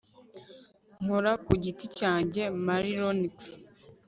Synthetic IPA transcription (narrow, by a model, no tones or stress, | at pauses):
ŋ̥uɾakuɟiticaːɲɟe̞maɾiɾoniks